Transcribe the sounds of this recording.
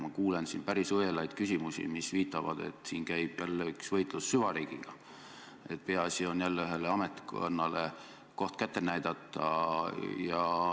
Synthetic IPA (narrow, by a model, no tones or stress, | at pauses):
mɑkuːlensinpæɾisɤjelɑjd̪̥kysʲimusḭmisviːt̪ːˑɑvɑ̰d̪̥e̞̰t̪ːˑsiːnkæjb̥jælːeyksvɤjt̪ˑlusːyvɑɾiːɡ̥iɡ̥ɑ | e̞t̪̚ːpe̞ɑɑsʲio̞njælːeyɦe̞leɑmet̪ːko̰nːɑle | ko̞ht̪kæt̪ːˑe̞næjd̪̥ɑt̪ːˑɑ̰ | jɑ